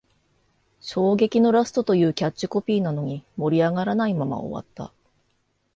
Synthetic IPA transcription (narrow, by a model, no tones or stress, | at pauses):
ɕo̞ːɡe̞kʲino̞ɾasɨ̥t̪o̞t̪o̞jɯ̟ːkʲat͡ɕːɨ̥ko̞pʲiːnano̞ɲ̟imo̞ɾʲiaɡaɾanaimama̰o̰βa̰t̪ːa̰